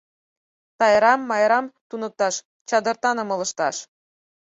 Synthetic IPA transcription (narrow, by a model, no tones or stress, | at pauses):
t̪ɑjɾɑmːɑjɾɑmt̪unɤ̆k̚t̪ɑʃ | t͡ɕɑd̪ɤ̆rt̪ɑnɤ̆mɤ̆lɤ̆ʃt̪ɑʃ